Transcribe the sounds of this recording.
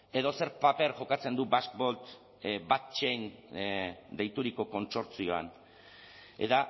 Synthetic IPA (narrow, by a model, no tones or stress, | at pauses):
e̞ðo̞se̞ɾpape̞ɾʝo̞kat͡se̞nd̪ubask̚bo̞lt̪ | bat̪t͡ʃejn | d̪e̞jt̪uɾiko̞ko̞nso̞ɾt͡sio̞a̰n | e̞̰t̪a